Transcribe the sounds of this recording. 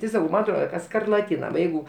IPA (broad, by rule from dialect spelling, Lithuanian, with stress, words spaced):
tʲɪ ˈsɑːkɐʊ ˈmɐn ɐtˈroːdɐ kɐ skɐrlˠɐˈtʲiːnɐ nʊ ˈjɛɪɡʊ